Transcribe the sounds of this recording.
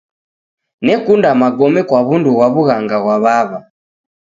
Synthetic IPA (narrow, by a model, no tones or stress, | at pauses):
nɛkundamaɡɔmɛkwaβunduwaβuɣaŋɡaɣwaβaβa